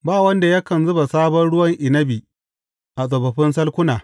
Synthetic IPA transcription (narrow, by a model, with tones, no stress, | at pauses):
baː˦˨wɐ˦nda˨ja˦kɐ˨nzʊ˦ba˨saː˦bɐ˦nɽʊ˦wɐ˦ŋʔɪ˨nɐ˦bi˨ | ʔa˨sʼɐ˨bɐ˨ɸɪ˦nsɐ˦lkʷʊ˦naː˨